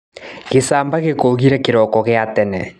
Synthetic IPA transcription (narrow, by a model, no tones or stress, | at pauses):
ɣesaːmbaɣekoɣiɾɛkeɾɔkɔɣeatɛnɛ